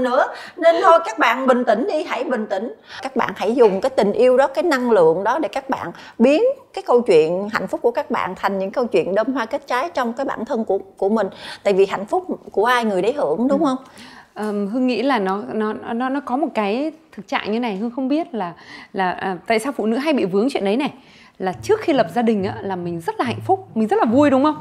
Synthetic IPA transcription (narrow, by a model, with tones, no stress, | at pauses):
nɨ̰˧˥əne˧nt̪ʰo˧jkaː˦˥k̚ɓa̰ː˧˨nɓï˨˩ŋ̟t̪ï˧˩ŋ̟ɗi˧ɦa˧˩jɓï˨˩ŋ̟t̪ï˧˩˦ŋ̟kaː˦˥k̚ɓa̰ː˧˨nha̰˧˩jzʊ˨˩ŋ͡mkaː˨˦jt̪ï˨˩ŋ̟ʔi˧əwɗɔ˨˦kaː˨˦jna˧ŋlɨ̰˧˨əŋɗɔ˨˦ɗe˧˩kaː˦˥k̚ɓa̰ː˧˨n | ɓi˨˦ənkaː˨˦jkə˧wt͡ɕwḭ˧˨ənɦa̰˧˩j̟fʊ˦˥k͡p̚ku˧˩əkaː˦˥k̚ɓa̰ː˧˨nt̪ʰa˨˩jŋ̟ɲɨ̰˧˥ŋkə˧wt͡ɕwḭ˧˨ənɗəː˧mhwaː˧ke˦˥t̚t͡ɕaː˨˦jt͡ɕɔ˧wŋ͡mkaː˨˦jɓa̰ː˧˩nt̪ʰə˧nkəku˧˩əmï˨˩ŋ̟t̪a̰ː˧˨jvi˨˩ɦa̰˧˨jŋ̟fʊ˦˥k͡p̚ku˧˩əʔaː˧jŋɨ˨˩əjɗə˨˦jhɨ˧˩əŋɗʊ˨˦wŋ͡mhə˧wŋ͡mʔəː˨˩mɦɨ˧ŋŋḭ˧˥laː˨˩nɔ˨˦nɔ˨˦˨nɔ˨˦nɔ˨˦kɔ˨˦mo˨˩t̚kaː˨˦jt̪ʰɨ˨˩k̚t͡ɕa̰ː˧˨ŋɲɨ˧e˦na˨˩jɦɨ˧ŋxə˧wŋ͡mɓi˦˥ət̚laː˨˩laː˨˩ʔəː˨˩t̪a̰ː˧˨jsaː˧wfṵ˧˨nɨ̰˧˥ɦa˧jɓḭ˧˨vɨ˨˦əŋt͡ɕwḭ˧˨ənɗə˨˦jna˨˩j | laː˨˩t͡ɕɨ˦˥ək̚xi˧lə˨˩p̚zaː˧ɗï˨˩ŋ̟ʔa̰ː˨˦laː˨˩mï˨˩ŋ̟zə˦˥t̚laː˨˩a̰˧˨jŋ̟fʊ˦˥k͡p̚mi˨˩ŋ̟zə˦˥t̚laː˨˩vu˧jɗʊ˨˦ŋ͡mxə˧wŋ͡m